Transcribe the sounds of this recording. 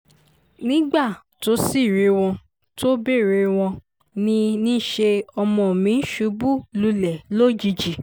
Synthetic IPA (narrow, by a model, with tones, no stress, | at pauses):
nĩ˦ɡ͡ba˦˨ | to˨˦si˦˨ɾe˧w̃ɔ̃˧ | to˦be˦˨ɾe˧w̃ɔ̃˧ | nĩ˧nĩ˦ʃe˧ɔ˧mɔ̃˧˨mĩ˨˧˦ʃu˨˦bu˦lu˧lɛ˨lo˦˨d͡ʒi˧d͡ʒi˨